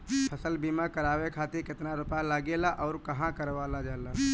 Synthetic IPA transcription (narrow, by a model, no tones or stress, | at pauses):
pʰəsəlbiːmãkəɾaːʋekʰaːt̪ɪɾkɪt̪naɾʊpjalaːɡeːlaʔɔːɾkəɦãkəɾʋaːlad͡ʒaːla